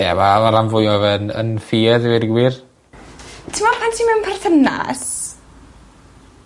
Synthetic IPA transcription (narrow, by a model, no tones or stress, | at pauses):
ɛ̰mamaɾamvʊjmɔvənə̰nfiɛðɪwɪdɡwiːr | tʰəmɔrpʰantʰiːmɛwnpʰarθəna̰s